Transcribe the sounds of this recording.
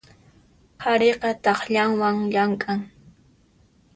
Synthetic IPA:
hʰaɾeqɑt̪ɑχʎaŋwaŋʎaŋkʼaŋ

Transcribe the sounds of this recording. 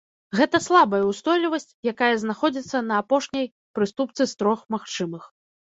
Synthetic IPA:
ɣɛt̪ɐslˠabɐjɐwst̪ɔjlʲivɐsʲt͡sʲjakajɐznaxɔd͡zʲit̪sːɐnɐːpɔʂnʲɐj | pɾɨst̪upt̪sɨst̪ɾɔxmaxt͡ʂɨmɨx

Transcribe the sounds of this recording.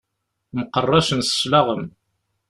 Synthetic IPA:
məqərˤːɑʃənsə̥ʃlɑʁəm

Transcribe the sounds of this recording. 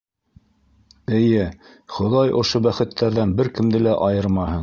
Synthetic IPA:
ɘ̆jɘ | χŏðɑjʔŏʃobæχɘ̆t̪ʰːæɾðænbɘɾkɘ̆md̪ɘlæʔɑjɤɾmɑɦɤn

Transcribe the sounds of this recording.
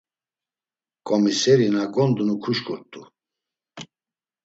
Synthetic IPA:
kʼɔmisɛɾinaɡɔnd̪unukʰuʃkʰʼuɾt̪ʼu

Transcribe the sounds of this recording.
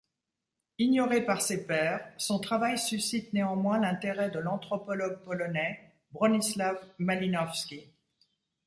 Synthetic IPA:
iɲjɔʁepaʁsepɛːʁsɔ̃t̪χavajsysit̪neɑ̃mwɛ̃lɛ̃t̪eʁɛd̪əlɑ̃t̪χɔpɔlɔɡ̚pɔlɔnɛ | bʁɔnislavmalinɔfskʲi

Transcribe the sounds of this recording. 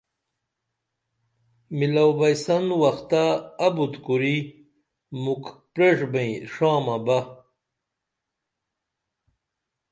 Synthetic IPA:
milawbɐjsɐnwɐxt̪aːbut̪kuɾi | mukpɾeʂbẽĩʂãːmɐbɐ

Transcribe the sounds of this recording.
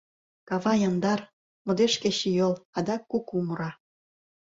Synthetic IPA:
kɑβɑjɑnd̪ɑr | mŏd̪eʃkeɕijolɑd̪ɑkːukumuɾɑ

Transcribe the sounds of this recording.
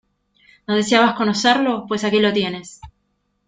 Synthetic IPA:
noðe̞seaβasko̞noseɾlo̞pwe̞sakilo̞t̪je̞ne̞s

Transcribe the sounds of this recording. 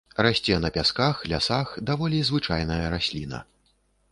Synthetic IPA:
rasʲt͡sʲɛnɐpʲaskaxlʲa̰saxd̪avɔlʲizvɨt͡ʂajnɐjɐɾasʲlʲinɐ̰

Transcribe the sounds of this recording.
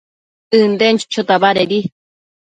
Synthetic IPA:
ɨnd̪ent͡ʃt͡ʃʰot̪aβaɾeɾi

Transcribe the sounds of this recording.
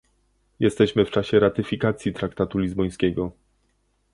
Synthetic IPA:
jɛst̪ɛɕmɘft͡ʂaɕɛɾat̪ɘfʲikat̪sʲjit̪ɾakt̪at̪ulʲizbɔj̃skʲɛɡɔ

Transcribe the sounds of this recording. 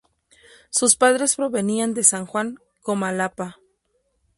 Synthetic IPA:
suspaðɾe̞spɾo̞βe̞niand̪e̞saŋxwaŋ | komalapa

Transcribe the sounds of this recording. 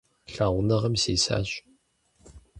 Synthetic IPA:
ɬaːʁʷʊnɐʁɐmseːsa̰ːɕ

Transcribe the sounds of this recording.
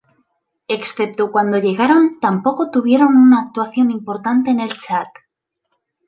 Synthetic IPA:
e̞ksθe̞p̚t̪okwand̪o̞ʎe̞ɣaɾo̞nt̪ampo̞ko̞t̪uβ̞je̞ɾo̞nunaːk̚t̪waθjo̞nimpo̞ɾt̪ant̪e̞ːne̞lt͡ʃat̪

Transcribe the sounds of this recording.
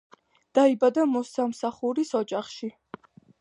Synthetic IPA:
d̪̥aibad̪amɔsamsaχuɾisɔd͡ʒaχʃi

